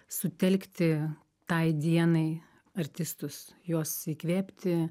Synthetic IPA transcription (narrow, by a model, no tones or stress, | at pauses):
sʊt̪ʲɛlʲkt̪ʲɪ | t̪ɐɪd̪ʲiɛnɐɪ | ɐɾʲt̪ʲɪst̪ʊs | juɔsiːkʋʲeːpʲt̪ʲɪ